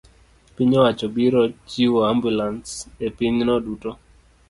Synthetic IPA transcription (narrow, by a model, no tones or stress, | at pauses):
piɲɔwat͡ʃɔbiɾɔt͡ʃiwɔambjulansepiɲnɔduto